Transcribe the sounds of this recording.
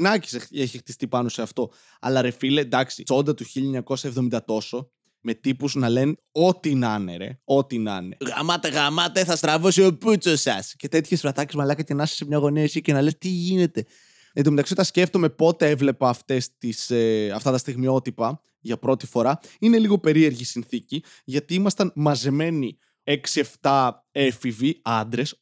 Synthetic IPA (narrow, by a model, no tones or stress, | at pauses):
nɐci̥see̞çixt̪ist̪ipɐno̞se̞ɐft̪o̞ | ɐ̰lɐɾe̞filed̪ɐksit͡so̞nd̪ɐt̪uçiʎɐeɲɐko̞sɐevðomind̪ɐt̪o̞so̞ | me̞t̪ipuznɐle̞n | o̞t̪inɐne̞̰ɾe̞̰o̞t̪inɐ̰ne̞̰ɣɐ̰mɐt̪eɣɐmɐt̪eθɐst̪ɾɐfosioput͡sosɐsce̞t̪e̞t̪çesfɾɐt̪ɐcezmɐlɐkɐce̞nɐse̥semɲɐɣo̞niɐisicenɐle̞st̪iʝine̞t̪e̞ | et̪imeɐksiot̪ɐsce̞ft̪o̞me̞po̞t̪e̞evle̞pɐːft̪e̞st̪iseɐft̪ɐt̪ɐst̪iɣmio̞t̪ipɐ | ʝɐpɾo̞t̪i̥fo̞ɾɐine̞liɣo̞pe̞ɾie̞ɾʝisinθici | ʝɐt̪iimɐst̪ɐnmɐzeme̞ni | eksie̞ft̪ɐ | efiviɐnd̪ɾe̞s